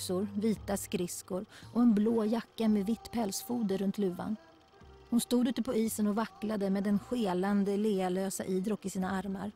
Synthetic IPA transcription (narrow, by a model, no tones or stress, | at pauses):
sʊɾviːt̪askɾɪskʊɾʔɔɛnbloːjakːameːd̪vɪt̪ːpʰɛlsfuːd̪əɾɵnt̪ʰlʉ̟ːva̰n | hʊnst̪uːd̪ʉːt̪əpʰɔiːsənɔvakːlad̪əmeːd̪ɛnɧeːland̪əleːaløːsa̰ʔiːd̪ɾɔk̪ːɪsiːnaaɾmaɾ